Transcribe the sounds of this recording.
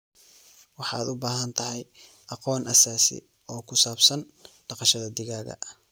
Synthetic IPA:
wɑħɑːd̪ʊbaːɦɐnt̪ʰɐhɛj | ʔɑqɔːnʔɐsaːsɪ̰ | ɔːkʰʊsaːbsɐn | ɖ̥ɑqɑʃɐðɐd̪ɪɣaːɣɐ̰

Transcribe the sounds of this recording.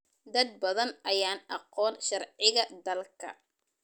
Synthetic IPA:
d̪ɐd̪̚bɐðɐnʔɐjaːnɑqɔːnʃɑrʕɪɣɐd̪ɐlkʰɐ̰

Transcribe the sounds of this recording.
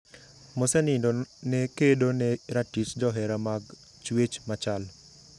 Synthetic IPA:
mosenindonekedoneɾaʈisd͡ʒɔɦeɾamaɡ | t͡ʃwet͡ʃmat͡ʃal

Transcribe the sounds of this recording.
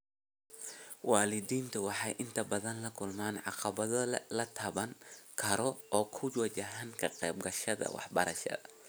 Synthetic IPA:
wɑːlɪdiːnt̪ʰʊwɑħɑjʔɪnt̪ʰɐbɐðɐnlɐkʰʊlmaːnʕɑ̰qɑβɐðɐlɐt̪ʰɐβɐŋkʰɐɾɔɔːkʰʊwɐt͡ʃɐɦaːŋkʰɐqɛ̰jb̚ɡɐʃɐðɐ̰wɑ̰ħbɐɾɐʃɐ̰ðɐ

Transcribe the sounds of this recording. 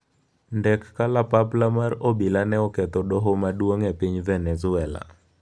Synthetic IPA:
ndɛkːalapaplamarobilanɛɔkɛt̪ɔdɔɦomadwoŋepiɲvɛnɛzʊɛla̰

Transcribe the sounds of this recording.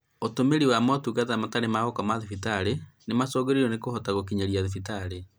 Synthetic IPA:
otomeɾiwamatukatamataɾemaɣɔkɔmaðifitaɾenemasɔɣeɾiɾɔnekohɔtaɣokiɲaɾiaðefitaɾe

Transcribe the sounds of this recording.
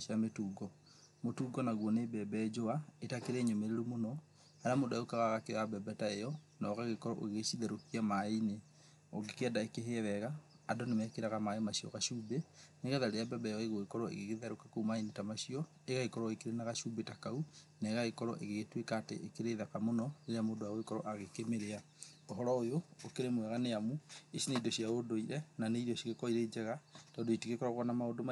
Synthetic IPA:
ʃametuːɡɔ | motuːɡɔnaɣwɔnebɛbɛɛd͡ʒoaetakeɾɛɲomeɾeɾumonɔ | aɾamodaokaɣaɣakeabɛbɛtaejɔ | nɔɣaɣekɔɾɔʔo̰ɣeʃiðɛɾokiamaine | o̰ɡekɛdaekeɦeðɛɣaː | dɔnemɛkeɾaɣamaemaɕiɔ̰ɣaɕubeneɣɛðaɾeabɛbɛɔeɣoekɔɾɔḛɣeɣeðɛɾokakoumainetamaʃiɔ | eɣaekɔɾɔekeɾenaɣaʃubetakau | naeɣaɣekɔɾɔ̰ʔḛɣeɣetwekaːtḛʔekeɾeðakamonɔneɾejamoːdowaoekɔɾɔʔaɣekemeɾea | oɦɔɾɔojoːkeɾemwɛɣaneamueʃineidɔʃiaodoiɾɛnaneiɾɔʃiɣekɔiɾed͡ʒɛɣatɔːndoiteɣekɔɾɔɣɔnamaodo

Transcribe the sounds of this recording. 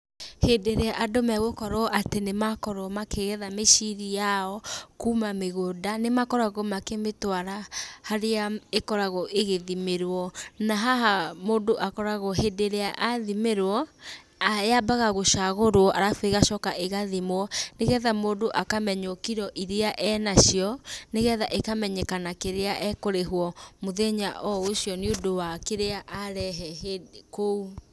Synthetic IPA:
hedeɾeaʔadomɛɣokɔɾɔʔatenemakɔɾɔmakeɣɛðameʃiɾijaɔkumameɣodanemakɔɾaɣomakemetwaɾahaɾeaekɔɾaɣɔʔeɣeðimeɾwɔnaɦaɦamoːdoʔakɔɾaɣɔɦedeɾeaʔaðimeɾwɔ | ajabaɣaɣoʃaɣoɾwɔʔaɾafeɣaʃɔkaʔeɣaðimoɔneɣɛðamoːdoʔakamɛɲɔkiɾɔʔiɾeaʔɛnaɕjɔneɣɛðaʔekamɛɲɛkanakeɾeaʔɛkoɾeɦwɔmoðɛɲaʔɔoɕjɔneodowakeɾeaʔaɾɛɦɛɦekou

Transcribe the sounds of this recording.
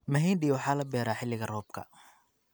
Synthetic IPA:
mɐɦiːndiːwɑħɑːlɐbɛːɾaːħɪlːɪɣɐrɔːb̚kʰɐ̰

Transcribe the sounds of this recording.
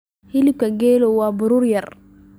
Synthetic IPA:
hilikaɡelowabuɾuɾjaɾ

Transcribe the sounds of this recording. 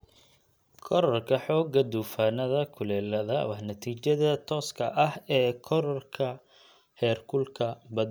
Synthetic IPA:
kʰɔɾɔrkʰɐħɔːɡɐd̪uːfaːnɐðɐkʰʊlɛːlɐðɐ̰wɑħnɐt̪ʰiːt͡ʃɐðɐt̪ʰɔːskʰɐʔɐhɛːkʰɔɾɔrkʰɐ | hɛːrkʰʊlkʰɐbɐd̪

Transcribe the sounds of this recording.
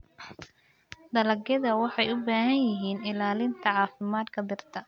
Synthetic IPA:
d̪ɐlɐɡjɐðɐwɑħɑjʊbaːɦɐnjɪɦiːnɪlaːlɪnt̪ʰɐʕɑːfɪmaːd̪kʰɐbɪrt̪ʰɐ

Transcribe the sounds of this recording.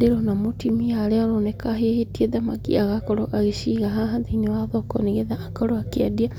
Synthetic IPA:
deɾɔnamotimiaɾeaɾonɛkaɦehetieðamakḭaɣakɔɾɔʔaɣeʃiɣaɦaɦaðeinewaðɔkɔneɣeðaːkaɾɔakeadia

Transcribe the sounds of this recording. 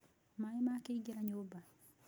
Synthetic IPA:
maimaked͡ʒɛɾaɲoba

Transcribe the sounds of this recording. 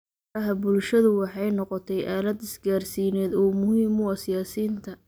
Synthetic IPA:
ɐɦɐbʊlʃɐðʊwɑħɑjnɔqɔt̪ʰɛjʔaːlɐd̪ɪsɡaːrsiːnɛːd̪ɔːmʊhiːmʊɐsɪjaːsiːnt̪ʰɐ

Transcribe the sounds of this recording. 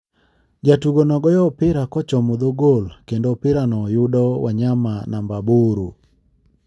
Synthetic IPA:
d͡ʒatuɡonɔɡɔjɔpɪɾakɔt͡ʃɔmod̪oɡolkendopɪɾanɔjʊdɔwa̰ɲamanambaboɾo

